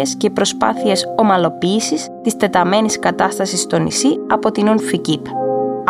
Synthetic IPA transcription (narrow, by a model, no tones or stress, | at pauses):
escepɾo̞spɐ̰θie̞so̞mɐlo̞piːsist̪ist̪e̞t̪ɐme̞niskɐt̪ɐst̪ɐsist̪o̞nḭsiɐpo̞t̪inunficip